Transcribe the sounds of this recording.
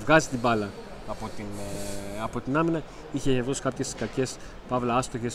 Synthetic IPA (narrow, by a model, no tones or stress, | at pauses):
vɣɐzit̪ibɐlɐ | ɐpot̪inɐpo̞t̪inɐminɐ | içeevðoskɐpçeskɐce̞s | pɐvlɐɐst̪oçe̞s